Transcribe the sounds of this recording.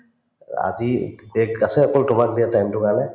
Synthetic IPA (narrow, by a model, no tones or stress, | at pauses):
a̰zibɛɡasɛɔkɔltʊmak̚diatajmtʊkalɛ